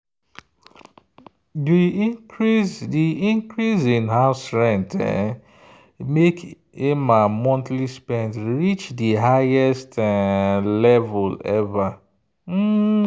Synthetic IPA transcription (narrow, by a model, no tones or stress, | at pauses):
di | zdiĩŋkɾizĩnɦastɾɛ̃nt | mek | emamɔ̃ntlispɛ̃ntɾit͡ʃdiɦajɛst | lɛvʊlɛva | m̩